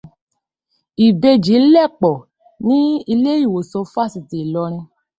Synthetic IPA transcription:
i˨be˧d͡ʒi˨˦lɛ˦˨k͡pɔ˨ | nĩ˦i˧le˦i˦˨wo˨sɔ˧˦fa˦˨si˨ti˨lɔ˧ɾ̃ĩ˧

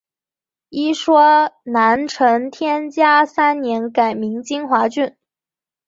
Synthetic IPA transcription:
i˥ʂwɔ˥na˧˥nʈ͡ʂʰɤ˧˥nt̪ʰjɛ˥nt͡ɕja˥sa˥nnjɛ˧˥nka˨˩ɪmi˧˥ŋt͡ɕi˥ŋxwa˧˥t͡ɕy˥˩n

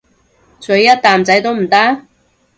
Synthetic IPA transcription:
t͡sɵ˨˧˥ɥjɐ˥t̚t̪aː˨mt͡sɐ˨˥jt̪o˥wm̩˨˩t̪a˥

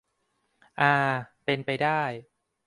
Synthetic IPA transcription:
ʔaː˧pe˧npa˧jdaː˥˩j

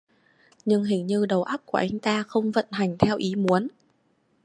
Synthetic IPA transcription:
ɲɨ˧ŋɦï˧˩ŋ̟ɲɨ˧ɗə˨˩wʔa˦˥p̚ku˧˩əʔa˨˧jŋ̟t̪aː˧xə˧wŋ͡mvə̰˧˨nɦa˨˩jŋ̟t̪ʰɛ˧wʔi˨˦mu˨˦ən

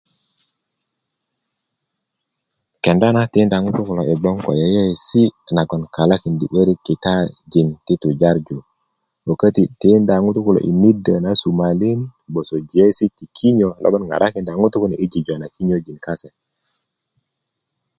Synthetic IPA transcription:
ke˨nda˦na˦ti˦nda˨ŋu˦tu˦ku˨lo˨i˨ɡ͡bɔ˦ŋko̰˨je˦je˦˨si˦na˨ɡɔ˨nka˨la˦ki˨ndi˨ɓə˦ɾi˦ki˨ta˦d͡ʒi˨nti˦tu˨d͡ʒa˦ɾd͡ʒu˨ | ɓo˨kə˦ti˨ti˦nda˨ŋu˦tu˦ku˨lo̰˨ʔḭ˨ni˦də˨na˨˦su˨ma˨li˦nbo˨so˨d͡ʒi˨e˦si˦ti˨kʰi˦ɲo˨lo̰˦ɓo˦nŋɡa̰˨ɾʔa˦ki˨nda˨ŋu˦tu˦ku˦n˨ʔi˦d͡ʒi˨d͡ʒo˨na˨ki˦ɲo˦d͡ʒi˨nka˦se˨

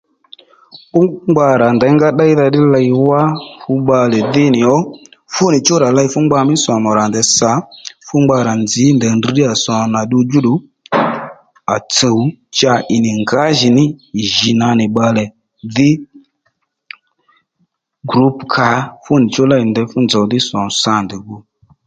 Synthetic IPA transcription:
ɓʊ˦ŋ͡mɡ͡ba˧ɾa˨ndɛ˨˧˦ŋɡa˦ɗa˦i˦ða˧ɗɪ˦la˧jwa˦fʊ˧ɓa˧lɛ˨ðɪ˦nɪ˨ɔ˦fʊ˦nɪ˨t͡ʃɔ˦ɾa˨la˧i˧fʊ˦ŋ͡mɡ͡ba˧mɪ˦sɔ˨mɔ˨ɾa˨ndɛ˨˧sa˨˦fʊ˦ŋ͡mɡ͡ba˧ɾa˨nd͡zɪ˨˦ndɛ˨ndi˧ɗɪ˦a˨sɔ˨na˨ɗi˧d͡ʒu˦ɗu˨˦ | a̰˨t͡sə˨u˦t͡ʃa˧ʔɪ˨nɪ˨ŋɡa˨˦ʒi˨nɪ˦˨ʒi˨na˧nɪ˨ɓa˧lɛ˨ | ðɪ˦ | ɡɾu˦pkʰa˨˦fu˦nɪ˨t͡ʃɔ˦la˦i˨ndɛ˧fʊ˦nd͡za˨ðɪ˦sɔ˨sa˦˨ndɛ˨ɡu˦

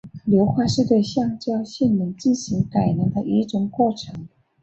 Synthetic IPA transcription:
ljo˧˥ʊxwa˥˧ʂɻ̩˥˧t̪we˥˧ɕjɑ˥˧ŋt͡ɕɕjɛ˥˩nmə˧˥ŋt͡ɕi˥˩nɕi˧˥ŋka˨˩ɪnə˧˥ŋd̪ə˧ʔi˧˥ʈ͡ʂʊ˨˩ŋkwɔ˥˩ʈ͡ʂʰɤ˧˥˦ŋ

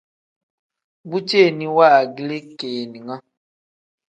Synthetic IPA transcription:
bu˦t͡ʃe˦˨ni˨wa˦˨ɡi˨˦le˦keː˨ni˨ŋa˦

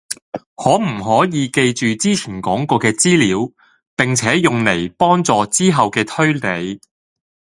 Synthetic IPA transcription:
hɔː˨˥m̩˨˩ɦɔː˨˥jiː˨˧ke˧jt͡ʃyː˨t͡siː˥t͡sʰiː˨˩nkɔː˨˥ŋkɔː˧kɛː˧t͡siː˥liː˨˥w | pɪ˨ŋt͡sʰɛː˨˥jʊ˨ŋle˨˩jpɔː˥ŋt͡sɔː˨˧t͡siː˥ɦɐ˨wkɛː˧t̪ʰɵ˥ɥle˨˧j

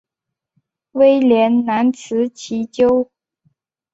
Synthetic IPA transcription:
we˥ɪljɛ˧˥nna˧˥nt͡sʰɹ̩˧˥t͡ɕʰi˧˥t͡ɕjo˥ʊ

